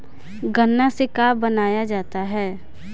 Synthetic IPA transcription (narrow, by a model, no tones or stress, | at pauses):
ɡənːasekaːbɐnaːjad͡ʒaːt̪aɦɛː